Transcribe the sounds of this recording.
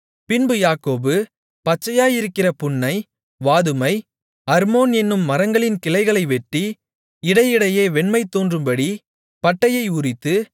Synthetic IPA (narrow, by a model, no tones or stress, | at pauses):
pɪnbɯjaːkoːbɯ | pɐt͡ʃːɐjaːjɪɾɯkːɪrɐpʊɳːɐɪ | ʋaːðɯmɐɪ | ɐɾmoːnɛnːɯmːɐɾɐŋɡɐɭɪnkɪlɐɪɣɐɭɐɪʋɛʈːi | ɪɽɐɪjɪɽɐjeːʋɛɳmɐɪt̪ːoːndrɯmbɐɽi | pɐʈːɐjɐɪʊrɪt̪ːɯ